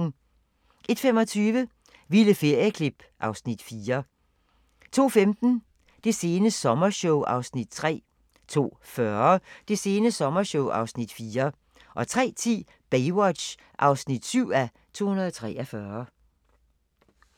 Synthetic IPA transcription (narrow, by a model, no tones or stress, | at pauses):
ʔe̝d̥femɒ̽t͡sʰyːʋə | ʋiləfe̝ɐ̰jəkʰlib̥ʔɑ̈ʊsnid̥fiːɐ | t͡sʰo̝̰ːfemd̥n̩ | d̥e̝se̝ːnəsɒ̽mɐɕoʊʔɑ̈ʊsnid̥̚t͡sʰʁɛ̰ː | t͡sʰo̝̰ːfɶɐd̥e̝se̝ːnəsɒ̽mɐɕoʊʔɑ̈ʊsnid̥fiːɐ | ʔɒ̽t͡sʰʁɛ̰ːt͡sʰḭː | b̥eɪwɒd̥ɕ | ʔɑ̈ʊsnid̥syʊ̰æ | t͡sʰo̝̰ːhunɐð̩ˠɒt͡sʰʁɛ̰ːʔɒfɶːɐ